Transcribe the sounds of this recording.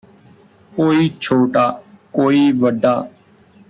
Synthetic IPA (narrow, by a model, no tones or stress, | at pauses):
koːiːt͡ʃʰoːʈaːkoːiːʋəɖːaː